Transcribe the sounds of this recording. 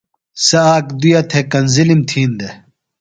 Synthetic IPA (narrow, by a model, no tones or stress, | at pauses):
sɐaːkd̪ujɐt̪ʰekɐnzilimt̪ʰiːnd̪e